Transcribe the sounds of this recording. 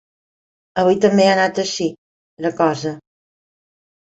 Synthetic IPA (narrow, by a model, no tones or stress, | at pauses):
əβujt̪əmbeanat̪əʃi | ləkɔzə